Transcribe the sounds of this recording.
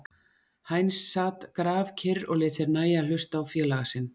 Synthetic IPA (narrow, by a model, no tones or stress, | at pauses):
hajnsːaːt̪kɾaːvcʰɪrɔɣlɪːt̪sɪɾnaːjal̥ʏst̪awfjɛːlaɣasɪn